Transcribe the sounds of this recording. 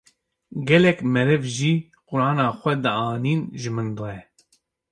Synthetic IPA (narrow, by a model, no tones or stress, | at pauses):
ɡɛlɛkmɛɾɛvʒiː | qʊɾɑːnɑːxʷɛd̪ɨɑːniːnʒɨmɨnd̪ojɛ